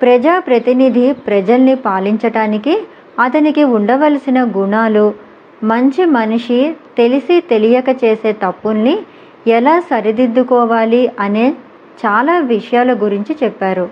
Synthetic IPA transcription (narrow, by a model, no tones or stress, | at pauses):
pɾɐd͡ʒaːpɾɐt̪inid̪ʱipɾɐd͡ʒɐlnipaːliɲt͡ʃɐɽaːniki | ɐt̪ɐnikiuɳɖɐʋɐlsinɐɡuɳaːlu | mɐɲt͡ʃimɐniʂit̪e̞lisit̪e̞lijɐkɐt͡ʃe̞ːse̞ːt̪ɐpːunːi | ɛlaːsɐɾid̪id̪ːukɔːʋaːliɐneː | t͡ʃaːlaːʋiʂɐjaːluɡuɾiɲt͡ʃit͡ʃɛpːaːɾu